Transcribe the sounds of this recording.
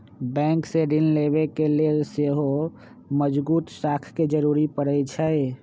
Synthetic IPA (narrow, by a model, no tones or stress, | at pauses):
bɛ̃ŋkseɖinleβekeleseɦo | məd͡ʒbuːt̪sakʰked͡ʒəɾuɾipəɽəjt͡ʃʰə